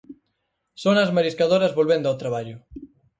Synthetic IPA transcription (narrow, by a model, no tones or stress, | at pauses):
sonɐzmaɾiskaðoɾɐzβolβend̪ʊawt̪ɾaβ̞aʎʊ